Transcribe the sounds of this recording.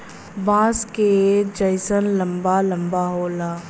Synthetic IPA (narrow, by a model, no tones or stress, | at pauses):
bãːsked͡ʒəɪsənlɐmbalɐmbaɦoːlaː